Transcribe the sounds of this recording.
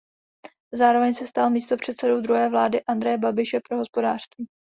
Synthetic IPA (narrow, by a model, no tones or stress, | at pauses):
zaːɾo̞vɛɲsɛst̪almiːst̪o̞pr̝̥ɛt̪sɛdo̞wd̪ɾuɦɛːvlaːdɪʔand̪ɾɛjɛbabɪʃɛpɾo̞ɦo̞spo̞daːr̥st̪viː